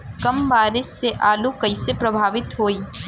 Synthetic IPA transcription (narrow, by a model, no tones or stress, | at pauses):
kɐmbaːɾɪsːeʔaːlukəisepɾɐbʱaːʋɪt̪ɦoːiː